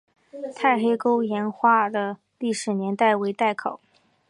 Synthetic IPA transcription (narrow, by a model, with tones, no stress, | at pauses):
t̪ʰa˥˩ɪxe˥ɪko˥ʊjɛ˧˥nxwa˥d̪ə˨ | li˥˩ʂɻ̩˧˥njɛ˧˥nt̪a˥˩ɪwe˧˥ɪt̪a˥˩ɪkʰo˨˩˦ʊ